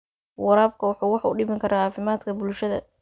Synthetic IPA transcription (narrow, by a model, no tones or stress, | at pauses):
wɑɾaːbkʰʊwɑħuːwɑħʊɖɪmɪŋkʰɐɾaːɑːfɪmaːd̪kʰɐbʊlʃɐðɐ̰